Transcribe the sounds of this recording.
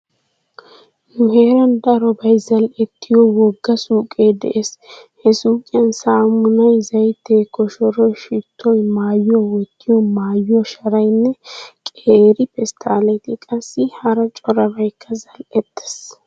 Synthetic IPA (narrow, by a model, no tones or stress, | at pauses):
nʊɦeːɾɐnd̪ɐɾɔbɐjzɐlɛt̪ʰːɪjɔwɔɡːɐsuːkʼed̪ɛ̰ʔeshɛsuːkʼɪjɐnsaːmʊnɐjzɐjt̪eːkːɔʃɔɾɔjʃɪt̪ʰːɔjmaːjːɔwɔt̪ːɪjɔmaːjɔʃɐɾɐjnːɛkʼeːɾɪpɛst̪ʰaːlɛt̪ɪkʼɐsːɪhɐɾɐt͡ʃʼɔɾɐbɐjkːɐzɐlɛt̪ːɛ̥s